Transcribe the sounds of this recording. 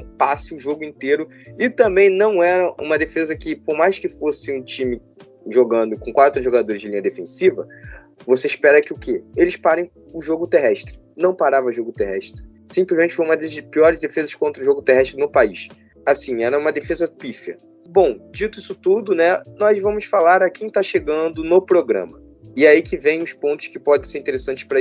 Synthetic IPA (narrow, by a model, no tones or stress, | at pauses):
pasɪʊʒoɡʊĩnt̪eɾʊ | ɪt̪ɐ̃mbẽj̃nɐ̃w̃ɛɾɐṵ̃mɐd̪efezɐkɪpoɾmajʃkɪfosɪũt͡ʃĩmɪ | ʒoɡɐ̃nd̪ʊkõkwat̪ɾʊʒoɡad̪oɾɪzd͡ʒɪlĩɲɐd̪efẽsivɐ | voseiʃpɛɾɐkɪʊkʰeelɪʃpaɾẽj̃ | ʊʒoɡʊt̪eɦɛʃt̪ɾɪ | nɐ̃w̃paɾavɐʊʒoɡʊt̪eɦɛʃt̪ɾɪ | sĩmplɪzmẽnt͡ʃɪ̥foj̃umɐd̪azd͡ʒɪpiɔɾɪzd̪efezɐʃkõnt̪ɾɐʊʒoɡʊt̪eɦɛʃt̪ɾɪnʊpaiʃ | asĩɛɾɐũmɐd̪efezɐpifiɐ̰ | bõw̃d͡ʒit̪ʊisʊt̪ud̪ʊnɛnɔzvɐ̃mʊsfalaɾɐkẽj̃t̪aʃeɡɐ̃nd̪ʊnopɾoɡɾɐ̰̃mɐ | ɪaikɪvẽj̃ʊspõnt̪ʊ̥ʃkɪpɔd̪ẽj̃seɾĩt̪eɾesɐ̃nt͡ʃɪ̥ʃpɾɐ